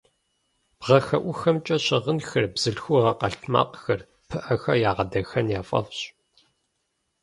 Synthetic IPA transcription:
b̥ʁɐxɐʔʷʊxɐmt͡ʃʼɐɕɪʁənxɐrbz̥ɨɬxʷʊʁɐqɐɬtʰma̰ːqxɐr | pʰɨʔɐxɐjaːʁɐdɐxɐnjaːfʼɐ̰fɕʼ

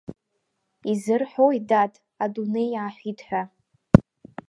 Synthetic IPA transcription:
izɨrħoidatʰʼ | adune̞jʕaħʷitʰʼħʷᶣa

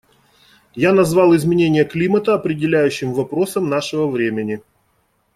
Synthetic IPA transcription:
janɐzvɑlˠɪzmʲɪnʲenʲɪjəklʲimət̪əɐpɾʲɪdʲɪlʲæjʉɕːɪmvɐpɾo̞səmnaʂɨvəvɾʲemʲɪnʲɪ

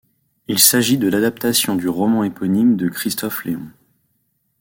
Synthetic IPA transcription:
ilsaʒid̪əlad̪ap̚t̪asjɔ̃d̪yʁɔmɑ̃epɔnimd̪əkχist̪ɔfleɔ̃

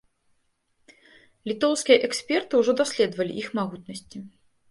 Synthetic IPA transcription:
lʲit̪ɔwskʲijɐʔɛksʲpʲɛrt̪ɨwʐɔd̪asʲlʲɛd̪vɐlʲḭʔixmaɣut̪nɐsʲt͡sʲi

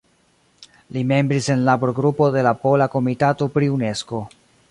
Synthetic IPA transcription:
lime̞mbɾise̞nlapoɾoɡɾupo̞de̞lapo̞lako̞mitato̞pɾiune̞sko̞

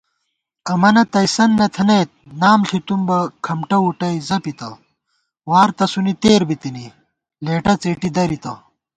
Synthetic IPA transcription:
ɐmɐnɐt̪ɐjsɐnːɐt̪ʰɐnejt̪̚naːmɬit̪umbɐkʰɐmʈɐuʈɐjzɐpit̪ɐ | waːɾt̪ɐsunit̪eːɾbit̪ini | leːʈɐt͡seːʈid̪ɐɾit̪ɐ

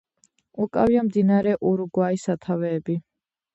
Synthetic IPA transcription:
ukʼaviamd̪inaɾɛʔuɾuɡwaisat̪ʰavɛːbi

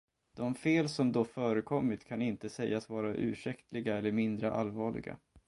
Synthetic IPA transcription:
d̪̥ɔmfeːlsɔmd̪ɔfœːɾəkʰɔmːɪt̪kʰanɪnt̪əsɛjːasvɑːɾaʔʉ̟̰ːʂɛkt̪ʰlɪɡaɛlːəɾmɪnd̪ɾəʔa̰lvɑːɭɪ̰ɡa̰

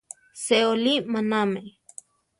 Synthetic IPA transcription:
seolimaname

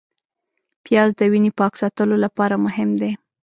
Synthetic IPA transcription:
pjɑzd̪əwinipɑksɑt̪əlolapɑɾamʊɦɪmd̪e

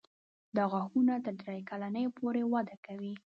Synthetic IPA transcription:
d̪əɣaxunat̪əɾd̪ɾajkalanəjpʰoɾewad̪akawi

